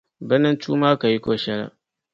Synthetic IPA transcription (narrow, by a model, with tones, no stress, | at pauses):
bɐ˦nɐ˦nt͡ʃuː˦maː˦ka˨ji˦kʷoː˦ʃɐ˦ɾa̰˦ʔ